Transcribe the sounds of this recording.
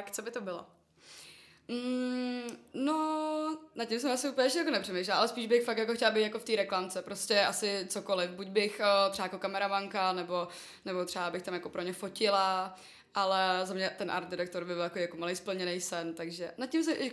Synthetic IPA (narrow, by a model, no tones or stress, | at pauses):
kt͡sobɪt̪obɪlo̰ | m̩ | no | nat̪̚cːɪms̬ɛmʔasɪʔuːpl̩ɲɛʃ̬ɛjakonɛpr̥ɛmejʃlɛlʔalɛspiːʒbɪxfakt̪jakoxcɛlabejt̪jakoft̪iːɾɛklamt͡sɛpɾoscɛʔasɪt͡sokolɪfbuɟ̚bɪxt̪ɾ̥ɛajakokamɛɾamaŋkanɛbo̞ | nɛbot̪r̥ɛabɪxt̪amjako̞pɾoɲɛfo̞cɪla | ʔalɛzamɲɛt̪ɛnʔa̰ɾt̪dɪɾak̚t̪oɾbɪbɪljakoijakomalejspl̩ɲɛnɛjsɛnt̪aɡʒɛnat̪̚cːɪmsɛʔɪ